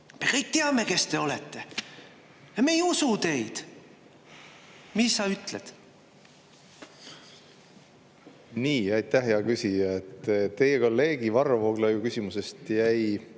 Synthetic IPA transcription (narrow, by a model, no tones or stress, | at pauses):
me̞kɤjk̚t̪eɑme̞ke̞st̪e̞o̞let̪ːe̞ | jɑmejusut̪e̞jd̪̥ | misːɑyt̪ːˑled̪̥ | niːɑjt̪æɦeɑkysʲijɑet̪ːt̪e̞jeko̞lːe̞ːɡivɑrvoɡlɑjukysʲimuse̞st̪jæj